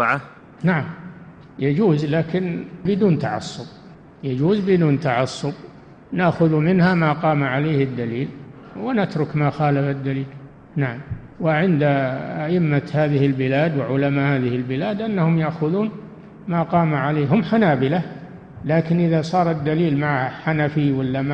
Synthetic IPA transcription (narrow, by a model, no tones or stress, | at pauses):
ʕa | naʕam | jad͡ʒuːzlaːkɪnbɪd̪uːnt̪aʕɑ̰sˤːʊb̚ | jad͡ʒuːzbɪd̪uːnt̪aʕɑsˤːʊb | naʔxʊðumɪnhamaqɑːmaʕaleːhɪd̪ːaliːl | wɪnat̪ɾˤʊkmaxaːlafad̪ːaliːl | naʕam | wɪʕɪnd̪aʔaʔɪmːat̪haːðɪhɪlbɪlaːd̪wɪʕʊlamahaːðɪhɪlbɪlaːd̪ʔanːahʊmjaʔxʊðuːn | maːqɑːmaʕaleːɦʊmħanaːbɪla | laːkɪnʔɪðasˤɑːɾˤɪd̪ːaliːlmaʕaaħanafiwalːama